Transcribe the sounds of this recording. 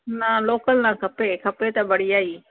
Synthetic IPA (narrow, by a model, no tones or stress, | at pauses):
nãloːkəlnãːkʰəpekʰɐpet̪abəɽiaːiː